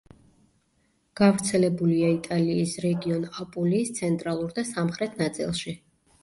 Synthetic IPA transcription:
ɡ̥avɾt̪sʰɛlɛbuliait̪ʼaliːsɾɛɡiɔnapʼuliːst̪sʰɛnt̪ʼɾalˠuɾd̪asamχɾɛt̪ʰnat̪sʼḭlˠʃi

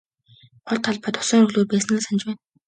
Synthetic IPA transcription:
ɢʊɮt̪ʰːaɮpaːt̪ʊ̥sɔːŋɾɵɣɮoːrpæːsɘ̆nɡeːsant͡ɕpæːn

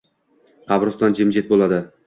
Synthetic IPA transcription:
qʰɑbɾʊsd̪and͡ʒɪmd͡ʒet̪̚bolˠad̪ɪ

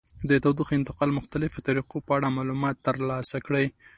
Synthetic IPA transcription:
d̪ət̪awd̪uxɪnt̪ɪqɑlmʊxt̪alɪfot̪aɾiqopəaɽamɑlumɑt̪ːəɾlɑsakɽəj

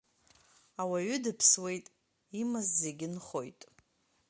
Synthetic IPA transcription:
awaɥʏdɨpʰswe̞jtʼ | imazːe̞ɡʲɪnχo̞jtʼ

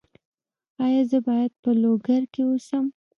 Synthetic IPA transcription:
ɑjɑzəbɑjad̪̚pəloɡaɾkewosəm

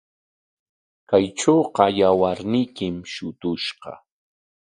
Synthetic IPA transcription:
kajʈ͡ʂoːqɑjawaɾnɪjkɪmʃʊt̪ʊʃqɑ̰

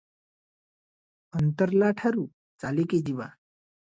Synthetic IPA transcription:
ənt̪əɾlaʈʰaɾu | t͡saleked͡ʑiʋa

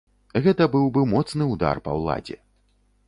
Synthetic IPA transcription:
ɣɛt̪ɐbɨwbɨmɔt̪snɨwd̪a̰rpɐ̰wlˠa̰d͡zʲɛ̰

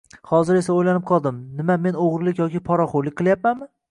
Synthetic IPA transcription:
hɒzɪɾe̞saojlanɪp̚qʰɒlˠd̪ɪmnɪmame̞noʁɾlˠɪkʲjɒkʲɪpʰɒɾɒχoɾlˠɪk̚ʲqʰɨlˠjap̚manmɪ

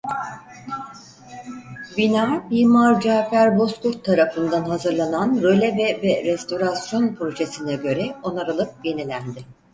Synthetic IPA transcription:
binaːbiɾmaɾd͡ʒaːfæɾbo̞skuɾt̪ʰːaɾafɯnd̪anɦazɯɾlˠananɾø̞lʲɛvɛvɛɾɛst̪o̞ɾasjo̞npʰɾo̞ʒesinɛɟø̞ɾɛo̞naɾɯlˠɯp̚je̞nilʲænd̪ɪ

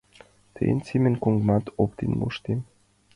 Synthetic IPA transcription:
t̪ʰḛnt͡simʲenkuŋɡmɑt̪ʰopt̪ḭnmṵʃt̪im

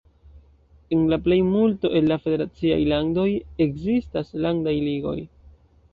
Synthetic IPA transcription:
e̞nlaple̞jmulto̞ʔe̞lːafe̞de̞ɾat͡sia̰jlando̞je̞kzistaslandajliɡo̞̰j

